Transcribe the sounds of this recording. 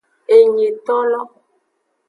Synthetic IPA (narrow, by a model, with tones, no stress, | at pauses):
e˨ɲe˨t̪ɔ˦lɔ˦